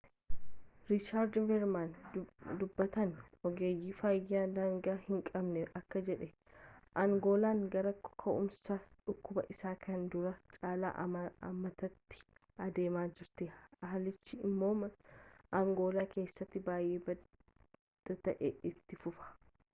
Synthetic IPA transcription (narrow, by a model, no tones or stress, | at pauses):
ɾɪt͡ʃaːɾd̪vɛɾmand̪ʊbːɐt̪ɐnɔɡeːjːiːfɐjːaːd̪aːŋɡaːhɪŋkʼɐbnɛɐkːɐd͡ʒɛᶑɛ | ʔɐŋɡo̞ːlaːŋɡɐɾɐkkʰːɐʔʊmsɐᶑʊkːʊbɐ̰ʔɪsaːkʰɐnd̪ʊɾɐt͡ʃʼaːla̰ːʔɐ̰mːɐt̪ɐt̪ːɪ̥ | ɐd̪e̞ːmaːd͡ʒɪɾt̪eɐɦɐlɪt͡ʃːɪɪmːo̞ːm | ɐŋɡo̞ːlaːke̞ːsːɐt̪ːɪbaːjʔeːbɐ | d̪̥ɐt̪ɐʔɛɪt̪ːɪfʊfɐ̥